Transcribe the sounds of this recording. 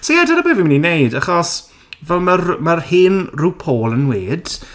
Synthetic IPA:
sɔjadənəbeːvimɪninejdaχɔs | vɛlˠmərmərhɪnrɪwpʰoːlˠənweːd̥

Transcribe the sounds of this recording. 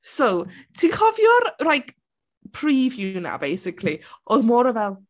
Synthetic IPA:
sowtʰinkʰɔvjɔrrajk | pʰriːvjuna̰bejsɪkʰliʔoðmɔːɾəvɛlˠ

